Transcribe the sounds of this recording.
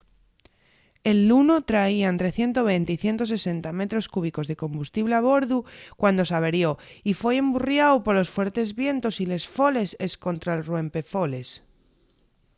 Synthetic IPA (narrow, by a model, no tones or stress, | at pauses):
e̞lːuno̞t̪ɾaiant̪ɾe̞θje̞nt̪oβ̞ejnt̪eiθje̞nt̪o̞s̬e̞se̞nt̪ame̞t̪ɾo̞skuβ̞iko̞zðe̞kõ̞mbust̪iβleaβ̞o̞ɾðukwand̪o̞saβ̞e̞ɾjo̞ifwe̞emburjawpo̞ɾlo̞sfwe̞ɾt̪e̞zβje̞nt̪o̞sile̞sfo̞le̞se̞skont̪ɾaelrwe̞mpe̞fo̞le̞s